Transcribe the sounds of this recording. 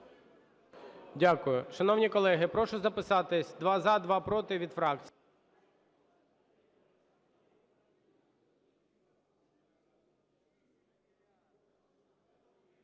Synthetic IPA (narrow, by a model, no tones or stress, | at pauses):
dʲakʊjʊʃɐnɔwnʲikɔlˠɛɦɪpɾɔʃʊzɐpɪsɑt̪ɪsʲd̪ʋɑzɑd̪ʋɑpɾɔt̪ɪʋʲid̪fɾɑkt͡sʲ